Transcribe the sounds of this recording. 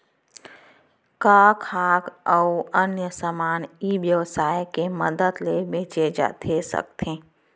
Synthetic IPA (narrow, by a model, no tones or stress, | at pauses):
kaːkʰaːɡəənjəsəmaːnibjəʋsaːjkeməd̪əd̪lebʱeːt͡ʃed͡ʒa̰ːt̪ʰesə̰k̚t̪ʰeː